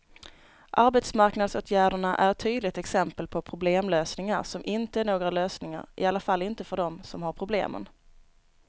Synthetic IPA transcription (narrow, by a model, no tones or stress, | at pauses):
ʔaɾbɛt̪smaɾknad̪soːt̪ʰjæːɖəɳaʔæ̰ɾɛt̪ʰːyːd̪lɪt̪ɛksɛmpəlpʰɔpʰɾʊbleːmløːsnɪŋa̰ɾʂɔmʔɪnt̪əæɳoːɡɾaløːsnɪŋa̰ɾʔɪ̰alːafalːɪnt̪əfœɖɔmsɔmhaɾpʰɾʊblḛːmə̰n